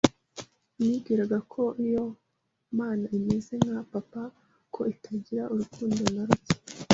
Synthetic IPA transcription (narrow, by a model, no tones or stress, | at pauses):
miɡiɾaɡakʰo̞ʔijo | maːnaimeze̞ŋɡapapa | kʰo̞itaɟiɾaʔuɾukuːndonaɾuci̥